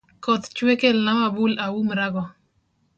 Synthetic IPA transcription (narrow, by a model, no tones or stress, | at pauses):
kɔt̪t͡ʃwekelnamabulawumɾaɡɔ